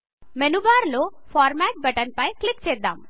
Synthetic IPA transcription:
menubaːɾloːpʰaːɾmaːʈ̚bɐʈɐnpɐjklikt͡ʃɛːd̪ːa̰ːm

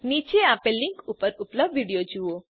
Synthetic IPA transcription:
nit͡ʃeapeliŋkupəɾupləbʋiɽijod͡ʒuo

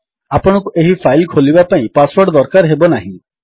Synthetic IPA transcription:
apɔɽ̃ɔ̃kuʔeɦipʰajlkʰolibapaĩpaswɔɖd̪ɔɾkaɾɦebɔnaɦĩ

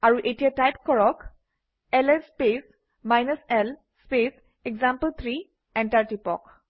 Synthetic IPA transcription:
aɹuʔetijatajp̚kɔɹɔk | ɛlɛspes | majnəsɛl | spes | eɡzampəlt̪ʰɹi | ɛntaɹtipɔ̰k

